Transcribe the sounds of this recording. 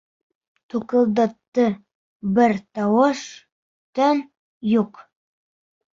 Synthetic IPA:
t̪ukɤ̆lˠd̪ɤ̆t̪ːɤ | bɘɾt̪ɑwɤʃ | t̪ɵn | juq

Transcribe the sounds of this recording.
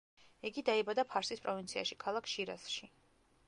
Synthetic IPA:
iɡid̪aibad̪apʰaɾsispʼɾɔvint̪sʰia̰ʃikʰalˠakʰʃiɾa̰sʃi

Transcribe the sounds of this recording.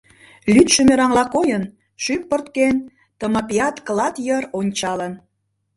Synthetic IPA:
lʲyt̪ʃømeɾɑŋlɑkojən | ʃypːərt̪ken | t̪əmɑpiɑt̪klɑt̪jəronʲt͡ɕɑlən

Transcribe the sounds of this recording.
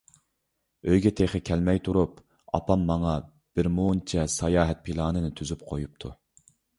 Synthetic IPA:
øjɡʲɛt̪ʰeχɨkʲʰɛlmɛjt̪ʰuɾup | ɑ̰pɑmːɑŋɑ | b̥ɪɾmunt͡ʃʰɛsɑjɑːɦɛt̪̚pʰilˠɑːnɨnɨt̪ʰyzyp̚qʰojup̚t̪ʰu

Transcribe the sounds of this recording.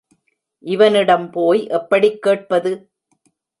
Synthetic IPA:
ʔɪʋɐnɪɽɐmpoːjʔɛpːɐɽɪkːeːʈ̚pɐðɯ

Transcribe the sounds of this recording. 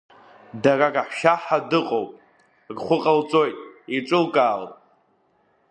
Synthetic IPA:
darakʼaħʃaħadɨqʼowpʼ | ɡχʷʊqʼalt͡sʼo̞jtʼiʈ͡ʂʼɨlkʼaːlʼ

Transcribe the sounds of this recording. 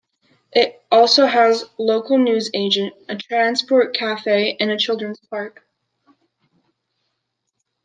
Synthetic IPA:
ʔɪɾɔlˠsoʊəzloʊkl̩ˠnʉzeɪd͡ʒɨ̃nt̚ɨtʰɹ̥æ̃nspɔɹt̚kʰæfeɪʔɨ̃nɨt͡ʃʰɪlˠdɹɨ̃nz̥pʰɑɹk

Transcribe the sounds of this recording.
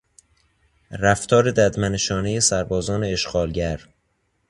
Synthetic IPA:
ræft̪ʰɒːɾed̪æd̪mæneʃɒːnejesæɾbɒːzɒːne̞ːʃɡɒːlɟæɾ

